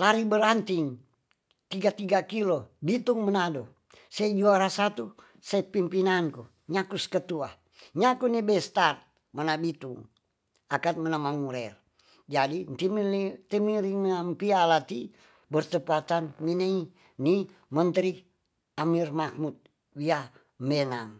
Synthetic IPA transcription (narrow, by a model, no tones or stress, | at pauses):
laɾibəɾant̪iŋ | t̪iɡat̪iɡakilobit̪uŋmənado | sad͡ʒuaɾasat̪u | saipimpinanku | ɲakuskət̪ua̰ | ɲakunibɛst̪at̪̚ | mənabit̪uŋ | akat̪̚mənamaŋuɾɛr | d͡ʒadint̪imt̪imiɾiŋmampialat̪i | bərt̪əpat̪anminei | ni | mənt̪ɾi | amirmahmut̪̚ | wia | mbɛnam